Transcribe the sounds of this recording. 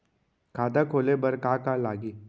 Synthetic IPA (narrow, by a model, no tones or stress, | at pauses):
kʰaːd̪akʰoːlebɐɾkaːkalaːɡiː